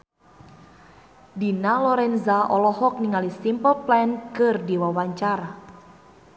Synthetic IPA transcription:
dinalɔɾɛnzaʔɔlɔhɔk̚niŋalisimpəlplɛnkɨrdiwawaɲt͡ʃaɾa

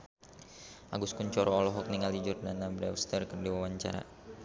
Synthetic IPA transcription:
ʔaɡuskuɲt͡ʃɔɾɔːlɔɦɔk̚niŋalid͡ʒɔrnanabɾɛwst̪ərkərdiwawaɲt͡ʃa̰ɾa̰

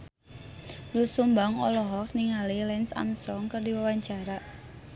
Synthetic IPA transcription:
lusumbaŋɔ̰lɔɦɔk̚niŋalilɛnsa̰mst̪ɾɔŋkərdiwawaɲt͡ʃaɾaʔ

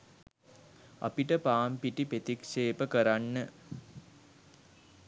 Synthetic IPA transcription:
a̰piʈəpaːmpiʈipet̪ikʃeːpəkəɾanːə

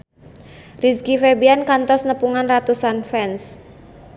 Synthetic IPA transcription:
riskifebiankant̪ɔsnəpuŋanrat̪usanfɛns

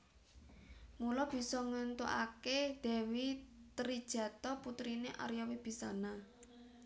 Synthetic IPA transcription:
mulɔb̥i̤sɔŋənt̪uʔa̰ked̪̥ɛ̤wit̪əɾid̥ʒ̥ä̤t̪ɔput̪ɾineʔa̰ɾjawib̥i̤sana

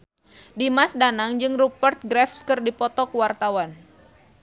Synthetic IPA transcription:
dimasdanaŋd͡ʒɨŋrupərt̪̚ɡɾɛfskɨrdipɔt̪ɔkwart̪awan

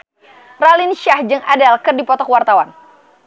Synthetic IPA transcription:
ralinʃahd͡ʒɨŋadalkɨrdipɔt̪ɔkwart̪awan

